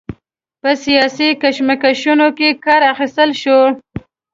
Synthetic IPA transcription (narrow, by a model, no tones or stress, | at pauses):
pəsijɑsikaʃmakaʃunokekɑɾaxist̪əlʃo